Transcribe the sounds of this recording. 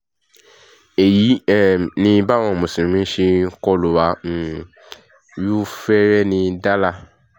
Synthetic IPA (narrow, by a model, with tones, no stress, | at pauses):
e˨ji˨˦ɛ˦˨nĩ˧ba˦w̃ɔ̃˧˨mũ˨sĩ˨ĩ˦ʃi˧kɔ˧lu˨wa˨˦n̩˨ | ju˦fɛ˦ɾɛ˦nĩ˧da˦la˦˨